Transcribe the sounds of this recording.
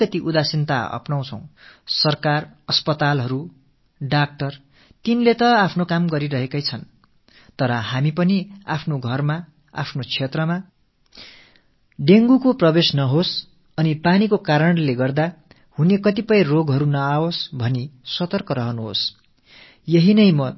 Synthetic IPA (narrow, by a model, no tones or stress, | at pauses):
ʌt̪iʔud̪asint̪a̰ʌ̰pnaw̃t͡sʰʌ̃w̃sʌrkarʌspʌt̪alɦʌɾu | ɖak̚ʈʌr | t̪inlet̪ʌapʰnokamɡʌɾiɾʌɦekʌjt͡sʰʌn | t̪ʌɾʌhamipʌniapʰnoɡʱʌrma | a̰pʰnot͡sʰet̪rʌma | ɖeŋɡukoprʌbesnʌɦos | ʌnipanikokaɾʌɳleɡʌrd̪a | hunekʌt̪ipʌjroɡɦʌɾunʌaosbʱʌnisʌt̪ʌrkʌɾʌɦʌnuɦo̰s | jʌɦinʌjmʌ